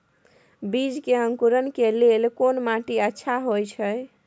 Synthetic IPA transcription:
bid͡ʒkeɦəŋkuɾənkelelkonmaʈiətːʃʰaɦojt͡ʃʰəj

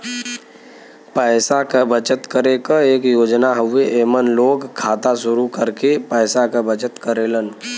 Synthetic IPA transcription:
pəːsakəbət͡ʃət̪kəɾekəeːkjoːd͡ʒnaɦəʋeʔeːmənloːɡkʰːaːt̪aʃʊɾukəɾkepəːsakabət͡ʃət̪kəɾeːlən

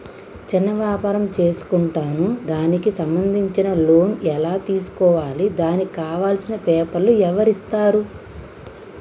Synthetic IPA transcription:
t͡ʃinːɐʋjaːpaːɾɐmt͡ʃe̞ːsu̥kuɳʈaːnud̪aːnikisɐmbɐnd̪ʱiɲt͡ʃinɐlo̞ːnɛlaːt̪iːsu̥kɔːʋaːlid̪aːnikaːʋaːlsinɐpɛːpɐlːuɛʋɐɾist̪aːɾu

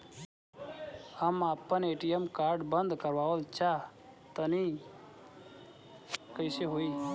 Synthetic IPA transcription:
əmapːəneʈijemkaɾɖbənd̪ʱkəɾʋaʋəlt͡ʃa | t̪əni | kəjseɦoi

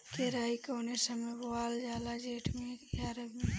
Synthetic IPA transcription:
keɾaːikoːnesɐmẽboaːld͡ʒaːlad͡ʒeːʈʰmẽjaːɾəbme

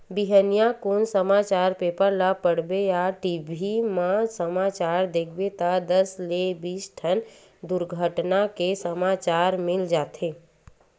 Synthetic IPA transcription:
bɪɦənijakoːnsəmaːt͡ʃaːɾpeːpəɾlapəɽbejaʈibʱimãsəmaːt͡ʃaːɾd̪eːkʰbet̪ad̪əslebiːsʈʰən | d̪ʊɾɡʱəʈnakesəmaːt͡ʃaːɾmɪld͡ʒaːt̪ʰeː

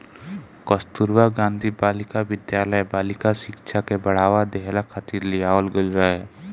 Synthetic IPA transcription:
kəst̪uɾwaɡãːnd̪ʱibaːlɪkaʋɪd̪jaːləjbaːlɪkaʃɪkʃʰakebəɽ̤aːʋad̪eɦlakʰat̪iɾliaːwəlɡəlɾəɛ

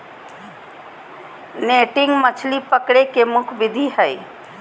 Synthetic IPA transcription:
neʈɪŋɡmət͡ʃʰlipəkɽekemʊkʰbid̪ʱiɦəj

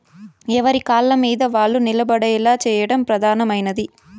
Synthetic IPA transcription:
ɛʋɐɾikaːlːɐmiːd̪ɐʋaːɭːunilɐbɐɽɐɛlaːt͡ʃɛːjɐɽɐmpɾɐd̪ʱaːnɐmɐjnɐd̪i

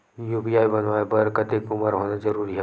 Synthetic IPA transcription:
juːpiaːibɐnʋaːebɐɾkɐt̪ekʊməɾɦoːnəzɐɾuːɾiɦɛ

